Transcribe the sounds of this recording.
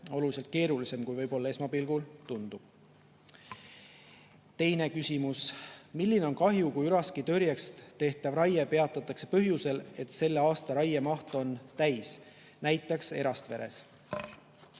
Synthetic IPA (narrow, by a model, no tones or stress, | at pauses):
o̞lulis̬elt̪̚ke̞ːɾulise̞mkujvɤjbo̞lːɑe̞smɑpilɡ̥ult̪und̪ub̥ | t̪e̞jne̞kysʲimusmilːine̞o̞nkɑɦjukujyɾɑskit̪øɾjɑkst̪e̞ht̪ˑɑvrɑjepe̞ɑt̪ːˑɑt̪ːˑɑkse̞̥pɤɦjuse̞le̞t̪se̞lːeɑːst̪ɑɾɑjemɑht̪o̞nt̪æjs | næjt̪ːˑɑkse̞̰ɾɑst̪ve̞ɾe̞s